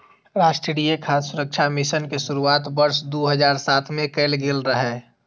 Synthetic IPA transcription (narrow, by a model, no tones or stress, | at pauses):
ɾaːsʈɾiɽiekʰaːssʊɾək̚t͡ʃʰamɪʃənkesʊɾuaːt̪bəɾsd̪oɦəd͡ʒaːɾsaːt̪ʰmẽkəɪlɡelɾəɦɛː